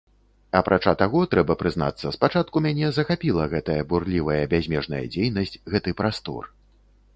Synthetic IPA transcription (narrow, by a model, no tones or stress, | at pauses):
ɐpɾʔat͡ʂat̪aɣɔt̪ɾɛbɐpɾɨzn̪a̰t̪sːɐspat͡ʂat̪̚kumʲanʲɛzɐxapʲilˠɐɣɛt̪ɐjɐburlʲivɐjɐbʲazʲmʲɛʐnɐ̰jɐ̰d͡zʲejnɐsʲt͡sʲɣɛt̪ɨpɾast̪ɔ̰r